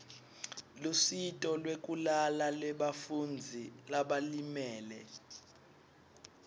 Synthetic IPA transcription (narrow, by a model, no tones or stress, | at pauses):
lusitʼɔlwekʼulalalɛɓafund͡zʱilaɓalimɛːlɛ